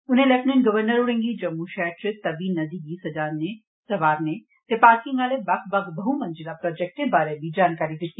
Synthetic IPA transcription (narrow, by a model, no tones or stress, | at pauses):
ʊnɦẽlepnenɡɐʋəɾnəɾʊɽẽːŋɡid͡ʒɐmːuʃɛɾʈɪt̪ɐʋinɐd̪iɡisɐd͡ʒaːnne | sɐʋaːɾne | t̪epaːɾkɪ̃ŋɡaːlebɐkbɐɡbɐɦumɐ̃nd͡ʒiɾapɾɔːd͡ʒɛk̚ʈẽbaːɾebʱid͡ʒaːnkaːɾid̪ɪt̪ːi